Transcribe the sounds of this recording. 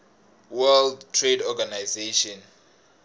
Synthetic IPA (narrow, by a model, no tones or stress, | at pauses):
wɛldtʰːredɔɡanajzeʃɔn